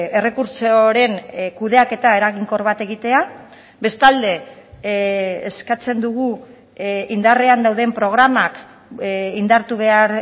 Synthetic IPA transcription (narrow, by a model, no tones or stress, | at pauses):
e̞re̞kuɾt͡soɾe̞nkuð̞e̞ake̞t̪ae̞ɾaɣiŋko̞ɾβat̪e̞ɣit̪e̞a | be̞st̪ald̪e̞ | skat͡se̞nd̪uɣ̞u | ind̪areand̪awð̞e̞mpɾo̞ɣ̞ɾamak | ind̪aɾt̪uβ̞e̞aɾ